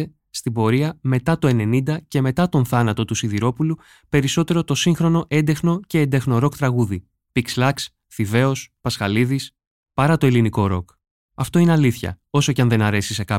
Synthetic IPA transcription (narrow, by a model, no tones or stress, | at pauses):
e | st̪ibo̞ɾiɐme̞t̪ɐt̪o̞e̞ne̞nind̪ɐce̞me̞t̪ɐt̪o̞nθɐnɐt̪o̞t̪usiðiɾo̞pulu | pe̞ɾiso̞t̪e̞ɾo̞t̪o̞siŋxɾo̞no̞ʔe̞nd̪exno̞ce̞end̪exno̞ɾo̞kt̪ɾɐɣuði | pikslɐks | θive̞ospɐsxɐliðis | pɐɾɐt̪o̞eliniko̞ɾo̞k | ɐft̪o̞ineɐliθçɐ̰o̞so̞cɐ̃nðe̞nɐɾe̞sise̞kɐ